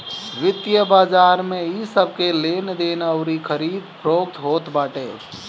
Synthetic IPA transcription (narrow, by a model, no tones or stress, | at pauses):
ʋɪt̪jəbaːd͡ʒaɾmeisəb̚ʱkelend̪enəʊɾikʰəɾid̪pʰɾokt̪ɦot̪baːʈe